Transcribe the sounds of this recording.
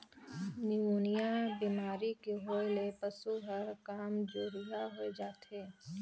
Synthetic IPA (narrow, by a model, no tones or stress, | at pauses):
nɪunijabimaːɾikeɦoːelepəsuɦəɾkaːmd͡ʒoːɾijaɦoed͡ʒaːt̪eː